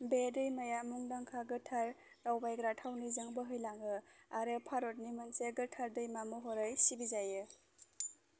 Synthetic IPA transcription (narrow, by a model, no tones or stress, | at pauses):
bedɯjmajamuŋdaŋkʰaɡɯtʰaɾː | awbajɡɾatʰawnizaŋbɯɦɯjlaŋɡɯaɾɯpʰaɾɔt̚nimɯnseɡɯtʰaɾdɯjmamɔɦɔɾajsibizajɯ